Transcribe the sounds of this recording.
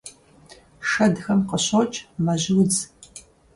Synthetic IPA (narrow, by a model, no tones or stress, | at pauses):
ʂɐdxɐmqəɕot͡ʃʼmɐʑɪwd͡z